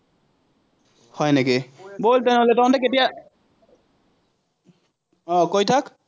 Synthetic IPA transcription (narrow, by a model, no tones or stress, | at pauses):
hɔjnekiboltɛnoletɔɔntɛk̬etija | ɔkojtʰak